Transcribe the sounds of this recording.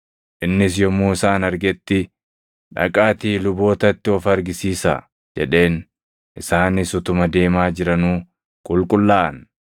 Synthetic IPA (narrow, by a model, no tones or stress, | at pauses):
ʔɪnːɪsjɔmːuːɪsaːnɐɾɡɛt̪ːɪ | ᶑɐ̰kʼaːt̪iːlʊbo̞ːt̪ɐt̪ːɪɔfɐɾɡɪsiːsa̰ | d͡ʒɛ̰ᶑe̞ːn | ʔɪsaːnɪsʊt̪ʊmɐd̪e̞ːmaːd͡ʒɪɾɐnuː | kʼʊlkʼʊlːaːʔɐ̰n